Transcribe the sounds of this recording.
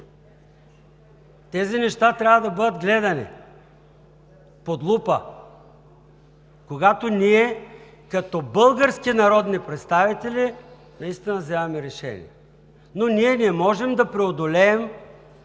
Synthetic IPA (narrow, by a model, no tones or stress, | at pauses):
t̪ɛzinɛʃt̪at̪ɾʲavɐd̪ɐbɤd̪əd̪ɡlɛd̪ɐnḭ | pod̪lˠupə̰ | koɡat̪oniɛ | kɐt̪ɔbɤlˠɡəɾskinɐɾɔd̪nipɾɛt̪st̪avit̪ɛli | nɐist̪inɐzavɛmɛɾɛʃɛ̰nḭɛ | noniɛniɛmɔʒɛmd̪ɐpɾɛod̪olɛːm